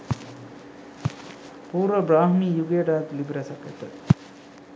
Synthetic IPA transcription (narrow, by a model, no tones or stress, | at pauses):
puːɾʋəbɾaːɦmiːjuɡejəɖaːt̪libɾɐsɐkɛt̪ːɐt̪